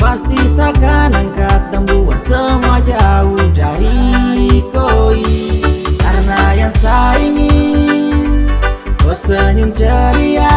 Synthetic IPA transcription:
past̪isakanaŋkat̪ːəmbuwansəmad͡ʒauidaɾi | koikaɾnajaŋsaiŋi | osəɲunt͡ʃəɾia

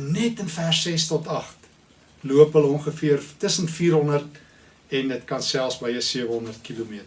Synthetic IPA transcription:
nɛtənfærsɛstɔtɐχt | luəpɦələɔŋχəfiərftəsənfiːɾɦɔndərt | ɛndətkɐnsælˠsbəjəsiəvəɦɔndərt̚kilumiətər

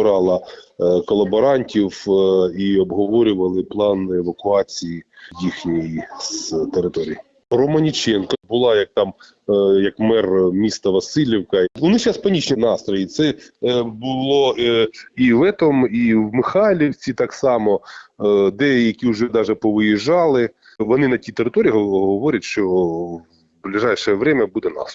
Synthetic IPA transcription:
ɾɑlˠɐkɔlˠɐbɔɾɑnʲtʲiwiɔbɦɔʋɔɾʲʊʋɐlˠɪplˠɑneʋɐkʊɑt͡sʲijijixnʲijiz̥t̪eɾɪt̪ɔɾʲiji | rɔmɐnʲit͡ʃɛnkɐbʊlˠɑjɐk̚t̪ɑm | jɐkmɛrmʲist̪ɐʋɐsɪlʲiwkɐʋɔnɪt͡ʃɑspɐnʲit͡ʃnʲinɑst̪ɾɔjit̪sɛbʊlˠɔ | iʋɛt̪ɔmiwmɪxɑlʲiwt͡sʲit̪ɑksɑmɔ | d̪ɛjɐkʲiʊʒɛd̪ɑʒɛpɔʋɪjiʒɑlˠɪ | ʋɔnɪnɐtʲit̪eɾɪt̪ɔɾʲiːɦɦɔʋɔɾʲɐtʲʃt͡ʃɔ | blʲiʒɑjʃɛʋɾɛmʲɐbud̪ɛnɑ̰s

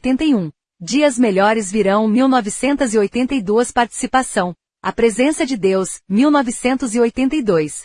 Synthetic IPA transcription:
jt̪ẽnt̪ɐjũ | d͡ʒiɐzmeʎɔɾɪzviɾɐ̃w̃miwnɔvisẽnt̪ɐziojt̪ẽnt̪ɐjd̪uɐspaɾt͡ʃi̥sipasɐ̃w̃ | ɐpɾezẽsɐd͡ʒɪd̪ewsmiwnɔvisẽnt̪ʊziojt̪ẽnt̪ɐjd̪ojs

